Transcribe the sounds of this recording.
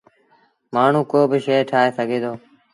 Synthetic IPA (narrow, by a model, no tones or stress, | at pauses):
maːɳ̤ũːkoːbɪʃeːʈʰaːɦeːsəɡʱeːd̪oː